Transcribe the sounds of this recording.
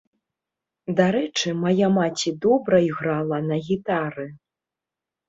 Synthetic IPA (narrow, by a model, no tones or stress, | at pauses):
d̪aɾɛt͡ʂɨmajamat͡sʲid̪ɔbɾɐiɣɾalˠɐnɐɣʲit̪aɾɨ